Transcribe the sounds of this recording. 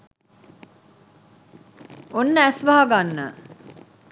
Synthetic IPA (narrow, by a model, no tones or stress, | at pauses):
onːəæsʋaɦaɡanːə